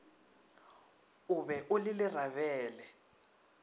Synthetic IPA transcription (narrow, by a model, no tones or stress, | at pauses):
ʊβɛʔʊlɪlɪr̤aβɛːlɛ